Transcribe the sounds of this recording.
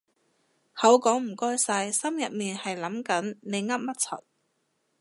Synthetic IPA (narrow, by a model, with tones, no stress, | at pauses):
hɐ˨˥wkɔː˨˥ŋm̩˨˩kɔː˥jsɐ˧jsɐ˥mjɐ˨t̚miː˨nhɐ˨jlɐ˨˥mkɐ˨˥nne˨˧jŋɐ˥p̚mɐ˥t̚t͡sʰɐ̰˨˩t̚